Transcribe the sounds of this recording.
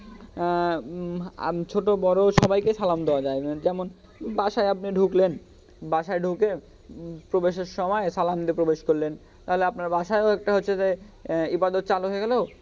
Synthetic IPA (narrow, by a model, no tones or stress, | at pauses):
t͡ɕʰoʈobɔɾoʃɔbajkesalamd̪eoad͡ʑaed͡ʑɛmon | baʃaeapniɖʱuklen | baʃaeɖʱuke | pɾobeʃeɾʃɔmɔesalamd̪ipɾobeʃkoɾlen | t̪aɦoleapnaɾbaʃaeoɛk̚ʈaɦotːɕʰeze | ibad̪ot̪̚t͡ɕaloɦoeɡɛleo